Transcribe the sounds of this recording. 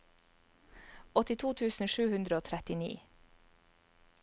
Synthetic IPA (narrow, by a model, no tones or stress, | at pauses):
ɔt̪ɪt̪ʰuːt̪ʰʉːsn̩ʃʉːhʉnd̪ɾəoːt̪ʰɾɛt̪ɪnḭː